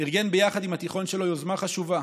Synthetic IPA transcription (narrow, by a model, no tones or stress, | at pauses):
niʁɡe̞nbejaχad̪imhat̪iχo̞nʃe̞lo̞jozmaχaʃuva